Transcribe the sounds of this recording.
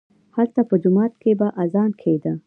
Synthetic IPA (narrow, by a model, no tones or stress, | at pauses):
halt̪apəd͡ʒʊmɑt̪kebaʔazɑnkʰed̪ə